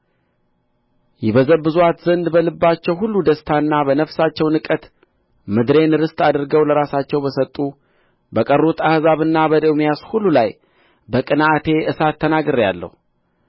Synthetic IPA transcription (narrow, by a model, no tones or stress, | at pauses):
jɛbəzəbːɨzuwat̪zənd̪bəlɨbːat͡ʃːɛwɦulːud̪əst̪ʰanːabənəfsat͡ʃːɛwnɨkʼət̪ | mɨd̪ɾe̞nɨɾɨst̪ad̪ɨɾɡəwləɾasat͡ʃːɛwbəsət̪ʼːu | bəkʼərːot̪ʰahzaβɨnːabəd̪əwmijashulːulaj | bəkʼɨnaʔat̪ʰe̞ʔɨsat̪ʰːənaɡɨɾja̰lːə̰hu